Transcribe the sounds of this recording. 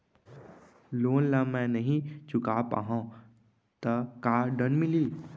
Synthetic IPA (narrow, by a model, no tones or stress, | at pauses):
loːnlamɛ̃nəɦĩt͡ʃʊkaːpa̰ɦã | t̪əkaːɖənmɪliː